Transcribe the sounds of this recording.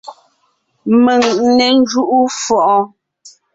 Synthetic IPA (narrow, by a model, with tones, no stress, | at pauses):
mə˨ŋnɛ˨n˦d͡ʒu˦ʔu˦fɔ˨ʔɔ˦